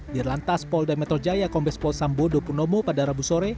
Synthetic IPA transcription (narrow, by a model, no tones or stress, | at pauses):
birlant̪aspɔldamɛt̪ɾɔd͡ʒajakɔmbɛspɔlsambodopunomopadaɾabusoɾɛ